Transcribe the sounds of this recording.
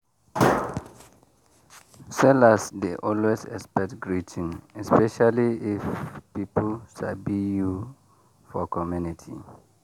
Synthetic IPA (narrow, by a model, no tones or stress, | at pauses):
sɛlasdeʔɔlwezɛ̰kspɛk̚tɡɹitʰĩnɛspɛʃaliifpipulʃa̰biju | fɔkɔmjunitʰḭ